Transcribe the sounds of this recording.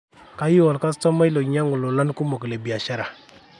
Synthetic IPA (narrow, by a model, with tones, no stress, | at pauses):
ka˦ji˦wɔ˨lka˦stɔ˦ma˦i˦lo˨ɲa˦ŋʊ˨lo˨la˦n˦ku˦mo˨kle˨bi˨a˨ʃa˦ɾa˨